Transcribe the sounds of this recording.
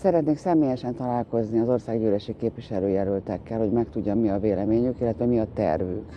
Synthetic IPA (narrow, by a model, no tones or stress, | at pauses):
sɛɾɛt̪neːksɛmeːjɛʃɛnt̪ɒlaːlko̞zniɒzo̞rsaːɡɟøːlɛʃikeːpʋiʃɛløːjɛlylt̪ɛkːɛlho̞ɟmɛkt̪uɟːɒmmiɒveːlɛmeːɲykilːɛt̪ʋɛmiɒt̪ɛ̰rvy̰k